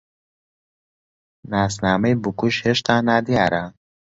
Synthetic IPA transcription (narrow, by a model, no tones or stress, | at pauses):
naːsnaːmejbukuʃheːʃt̪ʰaːnaːd̪ijaːɾɐ